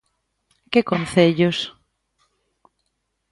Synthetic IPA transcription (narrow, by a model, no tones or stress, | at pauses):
kɪkonθeʎʊs